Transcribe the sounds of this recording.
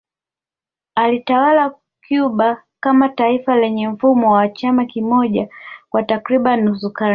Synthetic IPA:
alitawala | kjuɓa | kamataifalɛɲɛm̩fumɔwaat͡ʃamakimɔʄakwatakɾiɓanːusuka

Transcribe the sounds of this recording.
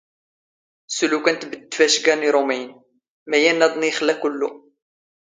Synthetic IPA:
sulukænt̪bəd̪ːfæʃɡæniɾˤomæjn | mæjænːæd̪ˤniχlækʊlːu

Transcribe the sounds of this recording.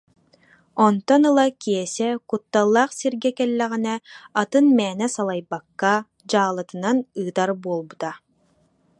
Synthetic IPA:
ɔnt̪ɔnɯlˠakiɛsɛkut̪ːalˠːaːχsiɾɡɛkɛlːɛʁinɛat̪ɯnmɛːnɛsalˠajbakːa | d͡ʑaːlˠɯt̪ɯnanɯːt̪aɾbuɔlˠbut̪a

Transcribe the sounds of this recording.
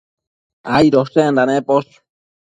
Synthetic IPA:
ajɾosend̪anepos

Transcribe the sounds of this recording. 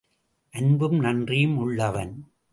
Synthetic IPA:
ʔɐnbɯmnɐndrijɯmʊɭːɐʋɐ̰n

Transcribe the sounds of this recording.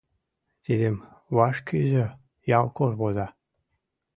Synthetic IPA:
t̪ʲed̪ʲemβɑʃkʲʰiʑɘ̆ | jɑlˠkorβozɑ

